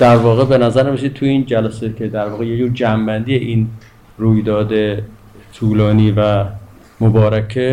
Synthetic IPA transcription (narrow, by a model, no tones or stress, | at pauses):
d̪̥æɾvɒːɣebenæzæɾneɾesid̪̚tʰuiːnd͡ʒælæsekʰed̪æɾvɒːɣejed͡ʒuːɾd͡ʒæmbænd̪ijeʔiːn | ruːjd̪ɒːd̪e | t̪ʰuːlɒːniːvæ | mobɒːɾækʰe